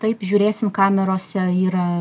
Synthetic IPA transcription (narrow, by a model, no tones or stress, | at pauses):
t̪ɐɪpʒʲʊːɾʲeːsʲɪmkɑːmʲɛɾoːsʲɛiːɾɐ